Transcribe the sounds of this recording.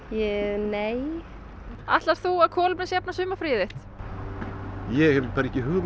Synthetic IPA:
jɛneːj | a̰ht̪laɾ̥θuaðkʰɔːlʏpnɪsjapnasʏːmafɾɪːðɪht̪ | jɛɣɛpʰɛɾcɪɦʏɣv

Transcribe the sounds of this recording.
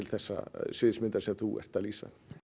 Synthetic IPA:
ɪlθɛsːa̰svɪðsmɪnt̪ḁɾsɛmθuʔɛ̰r̥t̪aliːsa̰

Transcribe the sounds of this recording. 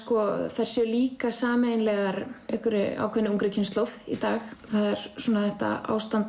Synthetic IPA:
kɔθaɛɾ̥sjɛliːkasaːmejnlɛɣaɾɛhkʏɾɪa̰ːwkʰœnɪuŋkɾɪcʰɪnsowðḭt̪aːxθaðɛɾ̥suːnaθɛht̪a̰a̰ːwst̪ant̪

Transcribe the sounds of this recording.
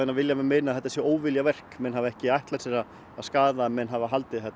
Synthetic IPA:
ɛnavɪljamɛðmeːnaθɛt̪asjɛoːwvɪljavɛr̥kmɛnhavɛhcɪajht̪laɾ̥sjɛɾa | aðskaːðaɛnmɛnɦavaɦalt̪ɪθɛt̪ː

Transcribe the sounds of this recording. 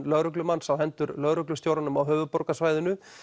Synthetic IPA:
lœɣɾʏklʏmansawhɛnt̪ʏɾlœɣɾʏklʏst̪jowɾanʏmawɦøːvʏpɔɾkasvaːjðɪnʏ

